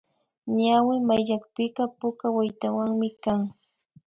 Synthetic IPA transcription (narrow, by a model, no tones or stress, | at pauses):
ɲawɪmajʎakpɪkɑpʊkawajt̪awaŋmɪkaŋ